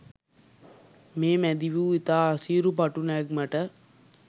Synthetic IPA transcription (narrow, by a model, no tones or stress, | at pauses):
meːmæd̪iʋuːit̪aːsiːɾup̬aʈunaɡmaʈə